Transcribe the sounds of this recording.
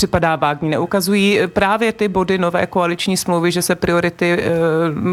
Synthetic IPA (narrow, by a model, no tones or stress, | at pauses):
r̥ɪpadaːvaːɡɲinɛʔukazujiːpɾaːvjɛt̪ɪbo̞dɪno̞vɛ̰ːkoalɪt͡ʃɲiːsmlowvɪʒɛsɛpɾɪo̞ɾɪt̪ɪ